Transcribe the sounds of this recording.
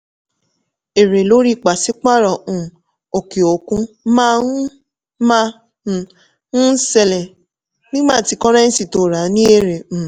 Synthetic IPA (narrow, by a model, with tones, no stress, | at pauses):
e˨ɾe˨lo˨˦ɾi˦˨k͡pa˨si˨˦k͡pa˦˨ɾɔ˨ũ˨ | o˨ke˨o˨kũ˦mã˦ | mã˦˨ | ũ˦sɛ˧˨lɛ˨ | nĩ˦ɡ͡bãː˦˨ti˨˧˦kɔ˦ɾa˦n̩˦si˨to˨˦˨ɾa˨˦nĩ˦e˦˨ɾẽ˨